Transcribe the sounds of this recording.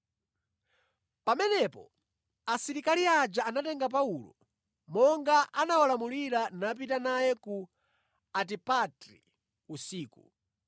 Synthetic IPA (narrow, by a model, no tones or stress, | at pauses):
pamɛnɛpɔ̰ | asiɾikaliad͡ʒaanatɛŋɡap̬aulɔ̰ | mɔŋɡaʔanawalamuliɾanap̬itanajɛku | at̬ipatɾḭ | usiːku